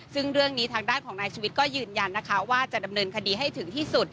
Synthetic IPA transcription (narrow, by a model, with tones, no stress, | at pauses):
sɯ˥˩ŋɾɯ˥˩əŋniː˦˥t̪ʰaː˧ŋdaː˥˩nkʰɔː˩˦ŋnaː˧jt͡ɕʰuː˧wi˦˥t̪̚kɔː˥˩jɯː˧nja˧nːa˦˥kʰa˦˥waː˥˩t͡ɕa˨˩da˧mnɤː˧nkʰa˧diː˧ɦa˥˩jt̪ʰɯ˩˦ŋt̪ʰiː˥˩su˨˩t̪̚